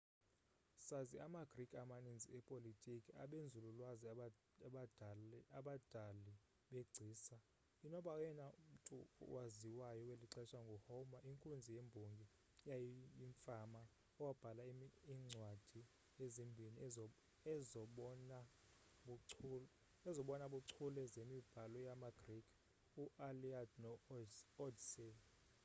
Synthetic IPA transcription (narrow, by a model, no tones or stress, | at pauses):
saziamaɡ̥rikʼamaninziɛpʼolitʼikʼia̰ɓend͡zʱululwazi | daɓadʱali | ɓeɡ͡ǀʱiːsa | inɔɓaujɛnaum̩tʼṵwaziwajɔweliǁɛʃaŋɡʱɔhɔmaʔiŋkʼund͡zʱijembʱoŋɡʱi | jajijiɱfama | ɔwab̥ʱalaiiŋ͡ǀʱwad̥ʱi | ezimbʱini | ɛzɔɓɔna | ɛzɔɓɔnaɓuǀʰulɛzemib̥ʱalɔjamaɡ̥rikʰʼ | uʔaliadnɔɔdsɛ